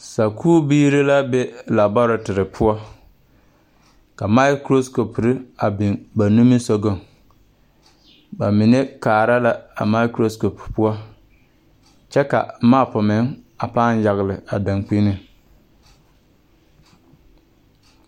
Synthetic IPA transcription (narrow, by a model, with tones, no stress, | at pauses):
sa˨kʰuː˦biː˦ɾi˦la˦be˦la˨ba˦ɾʊ˨tɪ˨ɾɪ˨pʰʊ˦ɔ˦ | ka˨ma˦ɪ˦kɾo˦sko˨pɾɪ˦a˨bɪ˨nba˨nu˦mi˦so˦ɡo˨ŋ | ba˨mɪ˨ne˦kaː˨ɾa˦la˦a̰˨ma˦kɾo˦sko˨ppʊ˦ɔ˦ | t͡ʃɛ˦ka̰˨maː˦˨pʊ˨mɪ˨˦ŋ | a˨paː˦n˦ja˨ɣɪ˨lɪ˨a˨da˨ŋk͡pi˦nɪ˦